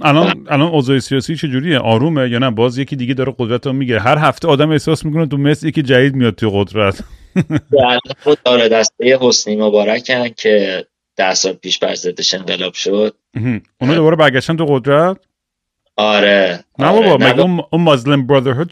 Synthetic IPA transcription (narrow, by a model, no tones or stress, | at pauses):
ʔælɒnælɒnɒːzɒːjesijɒːsiːt͡ʃʰe̞d͡ʒuːɾijeʔɒːɾuːmejɒːnæbɒːzjecʰiːd̪iːɡed̪ɒːɾeɡod̪ɾæt̪ʰɔmiɡiɾeɦæɾɦæft̪eɒːd̪æme̞hsɒːsmik̬onet̪umesljecid͡ʒæd̪iːd̪̚mijɒd̪̚t̪ujeɣod̪ɾæt̪ʰ | ælnoɒːɾed̪æst̪ejeɦosnimobɒːɾæcʰæncʰe̞ | d̪̥æhsɒːlpʰiːʃbæ̰ɾzed̪eʃe̞ŋɢelɒːb̥ʃod̪̥̚m̩ːɦ̩ | uːnɒd̪o̞bɒːɾebæɾɡʲæʃt̪ænt̪ʰuɣod̪ɾæt̪̚ | ɒɾenæbɒːbɒmmæɡeununmozlembɾɒd̪eɾɦoːd̪